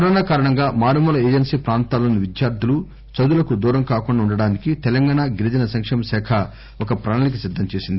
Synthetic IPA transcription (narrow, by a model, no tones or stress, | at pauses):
kɐɾɔːnaːkaːɾɐɳɐŋɡaːmaːɾɐmuːlɐeːd͡ʒensiːpɾaːnt̪aːlɐnuʋid͡ʒ̪jaːɾt̪ulu | t͡ʃɐd̪ulɐkud̪uːɾɐŋkaːkuɳɖaːuɳɖɐɽaːnikit̪ɛlɐŋɡaːɳaɡiɾid͡ʒɐnɐsɐŋkʂɐmɐsɛːkʰɐ | ɔkɐpɾaːɳɐlɐk̬isid̪ʱːɐmt͡ʃeːsind̪i